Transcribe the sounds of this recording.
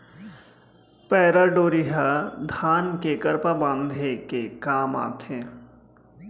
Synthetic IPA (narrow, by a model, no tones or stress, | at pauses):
pɛːɾaɖoːɾiɦad̪ʱaːnkekəɾpabãːnd̪ʱekekaːma̰ːt̪ʰẽː